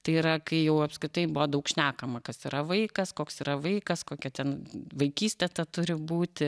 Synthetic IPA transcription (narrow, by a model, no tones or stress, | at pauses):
t̪ɐɪiɾɐkɐɪjɛʊɐpskɾʲɪt̪ɐɪbʊʋoːd̪ɐʊkʃʲnʲæːkɐmɐkɐsiːɾɐʋɐɪkɐskoːksiːɾɐʋɐɪkɐskoːkʲɛt̪ʲɛnʋɐɪkʲiːsʲt̪ʲɛt̪ɐt̪ʊɾʲɪbuːt̪ʲɪ